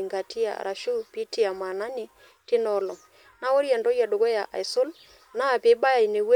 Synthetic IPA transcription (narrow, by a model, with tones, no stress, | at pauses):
ŋɡa˨ti˦a̰˨ɾʔa˨ʃu˦pi˦ti˦a˨ma˨na˦nɪ˨ | tɪ˦nɔ˦lɔ˨ | na˦wo˦ɾjɛ˨ndɔ˦ja˨do˨ɡɔ˦ja˨ʔa̰˨jsʊ˦l | na˦˨pe˨˦ba˦ja˨i˨ne˨we˦